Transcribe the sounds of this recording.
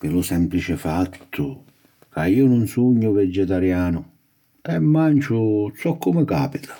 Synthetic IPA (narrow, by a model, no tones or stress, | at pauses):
pɪlʊsɛmplit͡ʃɪfat̪ʰːʊ | kaiːʊnʊnsuɲːʊvɛd͡ʒːɛt̪aɾjaːnʊ | ɛmːant͡ʃʊsɔkːʊmɪkaːpit̪ʰḁ